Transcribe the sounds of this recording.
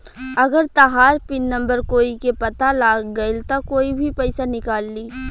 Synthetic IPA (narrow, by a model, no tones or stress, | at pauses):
ɐɡəɾt̪aɦaːɾpɪnːə̃mbəɾkoːikepɐt̪alaːɡɡɐɪlt̪akoːibʱipɛɪsanɪkaːlːiː